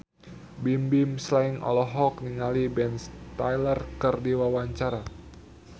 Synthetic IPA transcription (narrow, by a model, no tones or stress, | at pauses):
bimbimslaiŋɔ̰lɔɦɔk̚niŋalibɛnst̪ajlərkərdiwawaɲt͡ʃaɾa